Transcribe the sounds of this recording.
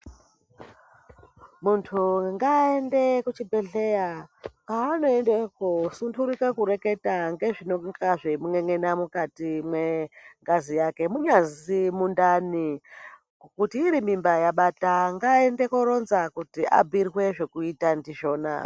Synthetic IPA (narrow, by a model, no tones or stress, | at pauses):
muntʰuŋɡaendekut͡ʃibe̞ɮe̞jakaːno̞endekusuntʰuɾikakuɾe̞ke̞taŋɡe̞ʐinokaʐemuŋeŋenamukatimweŋɡazijake̞muɲazimundani | kutiːɾimimbajaɓataŋɡaende̞koɾo̞nzakutiʔa̰birwe̞ʐe̞kuitandiʃo̞ːna̰